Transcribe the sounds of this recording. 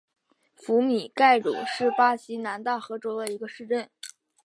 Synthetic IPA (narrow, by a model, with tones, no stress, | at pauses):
fu˧˥mi˨˩ka˥˩ɪlṵ˨˩ʂɻ̩˥˩pa˥ɕi˧˥na˧˥nt̪a˥˩xɤ˧˥ʈ͡ʂo˥ʊd̪ə˨i˧˥ɡə˧ʂɻ̩˥˧ʈ͡ʂə˥˩n